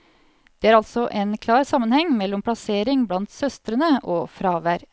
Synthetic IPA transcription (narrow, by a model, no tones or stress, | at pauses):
d̪̥eːæːɾɑlt̪sɔʔeːnkʰlɑːɾsɑmənhɛŋmɛlːɔmpʰlɑseːɾɪŋblɑnt̪sœst̪ɾənəʔoːfɾɑːʋæɾ